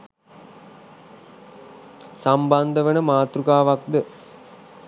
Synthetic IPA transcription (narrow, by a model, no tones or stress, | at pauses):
samband̪əʋənəmaːt̪ɾukaːʋak̚d̪ə